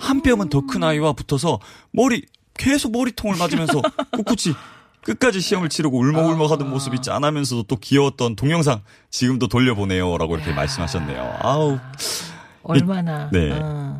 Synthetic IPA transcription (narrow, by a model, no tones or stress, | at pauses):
hamp͈jʌmɯntʌkʰɯnaiwaputʰʌs̬ʰʌmʌɾi | ke̞sʰok̚mʌɾitʰoŋɯɭmad͡ʑɯmjʌnsʰʌk͈uk͈ut͡ɕʰi | k͈ɯt̚k͈ad͡ʑiɕʰiʌmɯɭt͡ɕʰiɾɯɡouɭmʌuɭmʌkʰɦadɯnmosʰɯbit͡ɕ͈ia̰namjʌns̬ʰʌdot͈okiʌwʌt̚t͈ʌntoŋjʌŋs̬ʰaŋ | t͡ɕiɡɯmt͈otoʎːʌbone̞joɾa̰ɡoiɾʌkʰe̞ma̰ɭs͈ɯmɦaɕʰʌnːe̞̰jo̰a̰ | imanane̞̰